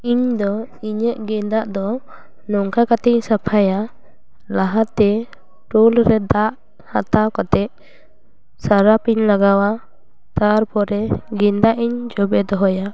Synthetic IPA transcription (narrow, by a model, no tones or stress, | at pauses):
iɲd̪ɔiɲəʔɡɛnd̪aʔd̪ɔ | nɔŋkakat̪ɛɲsapʰaja | laɦat̪ɛ | ʈulɾɛd̪aʔ | hat̪awkɔt̪ɛʔ | saɾapiɲlaɡawa | t̪aɾpɔɾɛɡɛnd̪aʔiɲd͡ʒɔbɛd̪ɔɦɔja